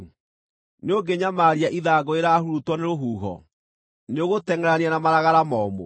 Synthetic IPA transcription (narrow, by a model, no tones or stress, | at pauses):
neoɡeɲamaːɾiaʔiðaːɡoeɾaːhuɾutwɔneɾoɦuːɦɔ̰ | neoɣotɛŋɛɾanianamaɾaɣaɾamɔːmo̰